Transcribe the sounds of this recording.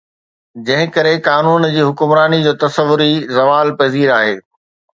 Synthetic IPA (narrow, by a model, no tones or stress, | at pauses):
d͡ʑɐ̃ɦɪ̃kɐɾekaːnuːnd͡ʑiːɦʊkʊmɾaːnid͡ʑoːt̪ɐsəʋʊɾizɐʋaːlpɐziːɾaːɦeː